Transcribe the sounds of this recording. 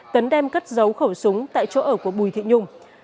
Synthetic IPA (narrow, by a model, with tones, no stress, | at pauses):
t̪ə˨˦nɗɛ˧mkə˦˥t̚zə˨˦wxə˧˩wsʊ˨˦ŋ͡mt̪a̰ː˧˨jt͡ɕo˧˦ʔəː˧˩ku˧˩əɓu˨˩jt̪ʰḭ˧˨ɲʊ˧ŋ͡m